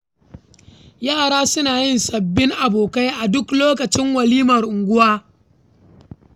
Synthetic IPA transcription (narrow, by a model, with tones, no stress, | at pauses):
jaː˦˨ɽaː˦sʊ˦naː˨jɪ˦nsɐ˨bːɪ˦ŋʔa˨boː˨ka˦jʔa˨dʊ˦kloː˦kɐ˨t͡ʃɪ˦ŋwɐ˨liː˦mɐ˨rʔʊ˨ŋɡʷʊ˦waː˦